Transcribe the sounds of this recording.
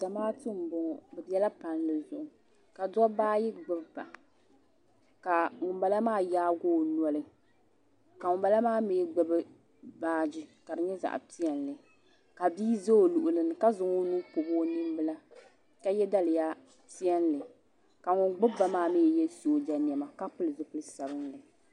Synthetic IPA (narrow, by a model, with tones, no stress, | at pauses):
d̥a˨maː˦tɨ˦m̩˨bʊ˨ŋɔ˨bɛ˨bɛ˦la˦pa˨nlɨ˨zʊ˨ʔʊ˨ | ka˨dɔ˦baː˦ji˦ɡ͡bɨ˦bba˨ | ka˨ŋʊ˨mba˨la˦maː˦jaː˦ɡoː˦˨nɔ˦lɨ˦ | ka˨ŋʊ˨mba˨la˦maː˦meː˦ɡ͡bɨ˦bɨ˦ | baː˦d͡ʒi˦ka˨dɨ˨ɲɛ˦za̰˨ʔti˦ɛ˦nlɨ˨ | ka˨biː˦za˦o˨lu˨ʔʊ˨lɨ˦nɨ˨ka˦zʊ˨ŋo˦nu˦pʊ˨bo˦ni˦m˦bɨ˦la˦ | ka˦jɛ˦da˦lɨ˨ja˦ | ti˦ɛ˦n˦lɨ˨ | ka˨ŋʊ˨ŋɡ͡bʊ˦ba˨maː˦˨mɛ˦˨jɛ˦su˨o˨d͡ʒa˨ni˨ɛ˨ma˨ka˦pɨ˦lɨ˨zʊ˨pɨ˦lɨ˦sa˨bɨ˦nlɨ˨